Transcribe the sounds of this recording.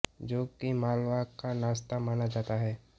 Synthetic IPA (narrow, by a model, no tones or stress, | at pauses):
d͡ʒoːkimaːlʋakanaːst̪amaːnad͡ʒaːt̪aɦɛː